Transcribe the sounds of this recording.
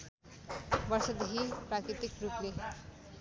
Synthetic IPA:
bʌrsʌd̪ekʰiprakɾit̪ikruple

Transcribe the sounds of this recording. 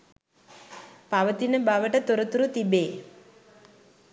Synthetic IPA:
paʋət̪inəbaʋəʈət̪oɾət̪uɾut̪ibeː

